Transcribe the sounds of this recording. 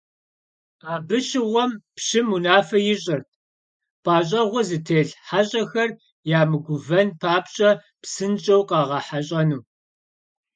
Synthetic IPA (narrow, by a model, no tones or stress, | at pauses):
aːbɨɕɪʁʷɔmpɕɪmunaːfɐjɪɕʼɐrt̚ʰ | paːɕʼɐʁʷɔzɨtʰeːɮħaɕʼɐxɐr | jaːmɨɡʷʊvɐnpʰaːpɕʼɐ | psɨnt͡ʃʼɐwqɑːʁɑħaɕʼɐnuː